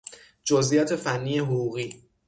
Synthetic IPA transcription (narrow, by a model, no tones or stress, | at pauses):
d͡ʒozʔijɒt̪ʰe̞fænːiːje̞ɦoɣuːɣiː